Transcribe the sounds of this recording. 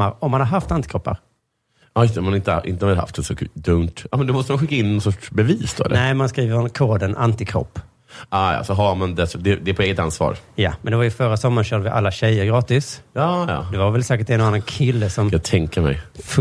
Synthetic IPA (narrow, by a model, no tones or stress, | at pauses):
aɾɔmːanhaɾɦaft̪ant̪ɪkʰɾɔpːa̰ɾ | ɑːjʏst̪ɛmanɪnt̪əʔɪ̰nt̪əhaɪha̰ft̪ɛnsɔd̪ɵnt̪ɑ̰mɛnd̪ɛmɔst̪əmanɧɪkːaɪnːɔnsɔʂbɛviːsd̪o̰ːɛ̰lʔnɛɪmanskɾiːvəɾɔnkʰoːd̪əna̰nt̪ɪkʰɾɔ̰pː | ɑːjɑ̰ːsɔɦaɾmand̪ɛsd̪ɛd̪ɛpɔeːɡət̪ansvɑ̰ːɾja̰mɛnd̪ɛvajəfœɾasɔmːaɾɕœːɖəvɪʔa̰lːaɕɛjːəɾɡɾɑːt̪ɪsjɑːjɑ̰ːd̪ɛvaɾvɛlsɛːkəʈ̚td̪ɛnanːankʰɪlːəsɔmjaɡt̪ʰɛŋkəɾmɛ̰jf